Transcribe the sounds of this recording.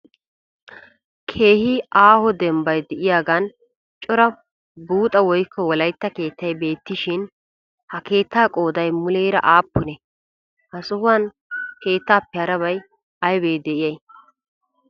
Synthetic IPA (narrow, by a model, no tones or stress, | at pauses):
kʰe̞ːhɪʔaːhɔd̪ɛmbɐjd̪ɛʔɪjaːɡɐn | t͡ʃʼɔɾɐ | buːt̪ʼɐwɔjkʰːɔwɔlɐjt̪ːɐke̞ːt̪ːɐjbe̞ːt̪ːɪʃɪn | hɐke̞ːt̪ːaːkʼo̞ːd̪ɐjmʊleːɾɐ̰ʔaːpːʊnɛ | hɐsʼʊhʊɐn | ke̞ːt̪ːaːpːɛɐɾɐβɐj | ɐjbeːd̪ɛʔɪjɐj